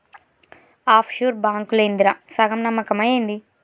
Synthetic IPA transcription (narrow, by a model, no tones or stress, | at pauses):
aːpʰʃuːɾbaːŋkulɐind̪iɾasɐɡɐmnɐmːɐkɐmɐjejnd̪i